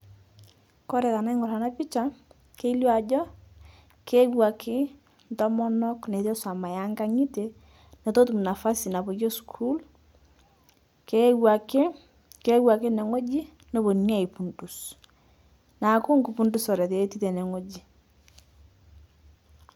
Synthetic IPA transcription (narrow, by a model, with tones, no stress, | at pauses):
kɔ˦ɾɛ˨ka˨na˦ŋɔ˨ɾa˨na˦pi˦t͡ʃa˨ | ke˦i˦ljɔ˦a˨d͡ʒɔ˦ | ke˦wa˨kʰɪ˦ | ntɔ˦mɔ˦nɔ˦kne˨tɔ˦sa˨ma˨ja˦ŋɡa˦ŋi˦te˨ | ne˨to˦tu˨m˨na˨fa˦si˨na˨bo˨ɡjɔ˦skʰu˦l | ke˦wa˨kɪ˦ | ke˦wa˨kɪ˦nɛ˨ŋo˦d͡ʒi˦ | no˦bo˨n˦a˦˨i˨pu˨ndu˨s | na˨kʊ˦ŋku˨pu˦ndu˦sɔ˨ɾɛ˨te˨e˦ti˦te˨nɛ˨ŋo˦d͡ʒi˨